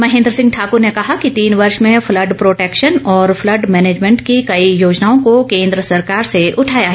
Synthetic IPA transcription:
mɐɦẽːnd̪ɾəsɪ̃ŋɡ̚ʈʰaːkʊɾnekɐɦakit̪iːnʋɐɾʃmẽflɐɖpɾoːʈeːkʃənɔːɾflɐɖmɛːneːd͡ʒmɛ̃ɳʈkikɐijoːd͡ʒnaːõkokẽːnd̪ɾəsɐɾkaːɾseʊʈʰaːjaɦɛ

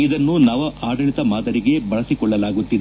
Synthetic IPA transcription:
id̪ɐnːunaːʋɐʔaːɖɐɭit̪ɐmaːd̪ɐɾiɡe̞bɐɭɐsikɔɭːɐlaːɡut̪ːid̪i

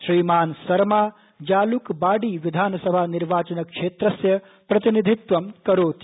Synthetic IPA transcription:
ʃɾiːmaːnsɐɾmaː | d͡ʒaːlukbaːɖiːʋid̪ʱaːnɐsɐbʱaːniɾʋaːt͡ʃɐnɐkʂeːt̪ɾɐsjɐ | pɾɐt̪inid̪ʱit̪ʋɐmkɐɾoːt̪

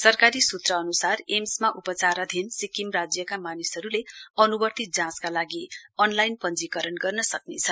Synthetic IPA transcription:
sʌrkaɾisut̪rʌːnusaremsmaʔupʌt͡saɾad̪ʱinsikimrad͡zjʌkamanisʌɾuleʌnubʌrt̪id͡zãskalaɡiʌnlajnpʌnd͡zikʌɾʌnɡʌrnʌsʌknet͡sʰʌ

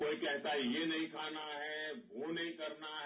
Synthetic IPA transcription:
oːikɛɦt̪aɦɛjenɐɦĩkʰaːnaɦɛʋonəɦĩkəɾnaɦ

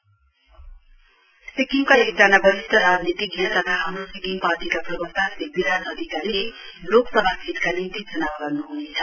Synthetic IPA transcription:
sikiŋkaek̚d͡zanabʌɾist̪ʌɾad͡znit̪iɡʱat̪ʌt̪ʰaɦʌnusikiŋpaʈikaprʌbʌk̚t̪asebiɾanʌd̪ʱikaɾile | loksʌbʱasʰit̪kanint̪id͡zʌnabaɡʌrnuɦunet͡sʰʌ̥

